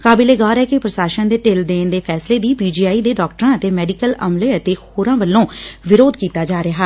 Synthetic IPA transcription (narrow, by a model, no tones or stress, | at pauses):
kaːbɪleːɡaːɾɛːkɪpɾəsaːʃənd̪eːʈeːld̪eːnd̪eːpʰɛːsleːd̪iːpiːd͡ʒiːaːiːd̪eːɖɔːk̚ʈəɾãːət̪eːmɛːɖikələ̰mleːət̪eːhoːɾãːʋəlːõːʋɪɾoːd̪kiːt̪aːd͡ʒaːɾɪɦaː